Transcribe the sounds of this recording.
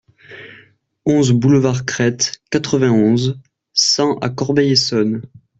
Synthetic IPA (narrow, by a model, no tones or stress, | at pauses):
ɔ̃zbuləvaʁkχɛt̪kat̪χəvɛ̃ɔ̃z | sɑ̃ʔa̰kɔʁbɛjesɔn